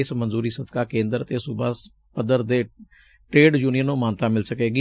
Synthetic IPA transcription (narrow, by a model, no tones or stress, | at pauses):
ɪsmənzuːɾiːsəd̪kaːkẽːnd̪əɾət̪eːsʊbaːs | pəd̪əɾd̪eː | ʈɾeːɖd͡ʒuːnijənũːmaːnt̪aːmɪlsəkeːɡiː